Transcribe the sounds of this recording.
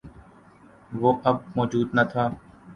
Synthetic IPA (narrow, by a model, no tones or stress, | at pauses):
ʋoːʔəb̚mɔːd͡ʒuːd̪nət̪ʰaː